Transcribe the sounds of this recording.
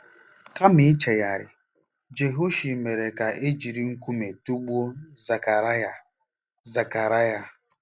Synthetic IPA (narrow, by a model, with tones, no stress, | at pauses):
ka˦mɪ˨˦t͡ʃe˨ja˨ɾɪ˨ | d͡ʒe˨ɦo˦ʃi˨me˨ɾe˨ka˨ʔe˦d͡ʒi˨ɾi˦ŋ̩˦ku˦me˨tu˦ɡ͡bu˦o˦za˨ka˨ɾja˨ | za˨ka˨ɾa˦ja˨